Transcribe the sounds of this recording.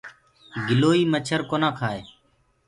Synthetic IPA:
ɡɪloːiːmət͡ʃʰəɾkoːnãːkʰaːḛː

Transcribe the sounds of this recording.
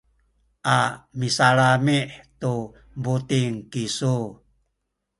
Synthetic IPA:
ʔamisalamiʔt̪u | but̪iŋkisu

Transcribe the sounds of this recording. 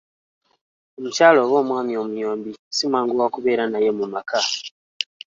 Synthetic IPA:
omucaːlo̞ːβo̞ːmwaːmio̞mujo̞ːmbisimwaːŋɡuwakuβe̞ːɾanaje̞mumaka

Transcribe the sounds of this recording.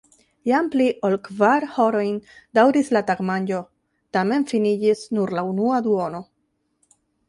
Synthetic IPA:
jampliʔolkvaɾhoɾo̞jndawɾislataɡmand͡ʒo̞ | tame̞nfinid͡ʒisnuɾlaunuad̪uono̞

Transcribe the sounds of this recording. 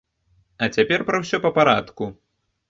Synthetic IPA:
ɐt͡sʲapʲɛrpɾɐwsʲɔpɐpaɾat̪ku

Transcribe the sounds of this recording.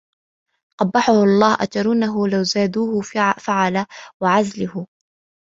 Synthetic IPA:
ʔɑbːɑħʊhɑlˤːɑːhʔa̰t̪ɑɾˤuːnaɦʊlawzaːd̪uːhʊfaʕalawaʕazlʊhʊ

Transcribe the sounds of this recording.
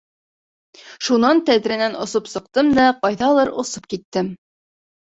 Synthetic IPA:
ʃunɑnt̪æðɾænænŏsopsɤ̆q̚t̪ɤmd̪æqɑjðɑlˠɤɾŏsɤp̚kit̪ːɘm

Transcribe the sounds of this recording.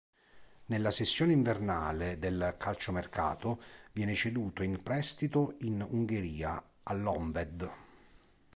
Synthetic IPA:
nelːasesːjoːneiɱverna̰ːled̪elkʰalt͡ʃomerkʰa̰ːt̪ovjɛːnet͡ʃed̪uːt̪oinpɾɛst̪it̪oinuŋɡeɾiːa̰ | alːɔɱvɛd̪

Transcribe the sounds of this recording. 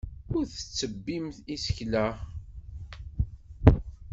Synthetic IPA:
ʊɾθə̥t͡sːəbːimθisə̥çlæ

